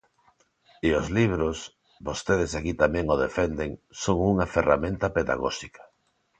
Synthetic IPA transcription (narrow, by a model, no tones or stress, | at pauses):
ɪozliβɾos | bost̪eð̞esakit̪amɛ̃ŋoðefend̪eŋsoŋuŋɐfera̰mẽnt̪ɐpeða̰ɣɔ̰ʃikḁ